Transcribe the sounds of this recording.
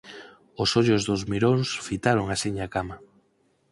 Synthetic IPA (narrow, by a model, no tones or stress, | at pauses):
osoʎʊzðʊzmiɾonsfit̪aɾoŋasiɲakama